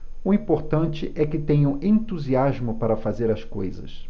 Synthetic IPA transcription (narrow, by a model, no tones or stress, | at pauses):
ʊĩpoɾt̪ɐ̃nt͡ʃɪʔɛkɪt̪ẽɲɐ̃w̃ẽnt̪uziazmʊpaɾɐfazeɾɐskojzɐ̰s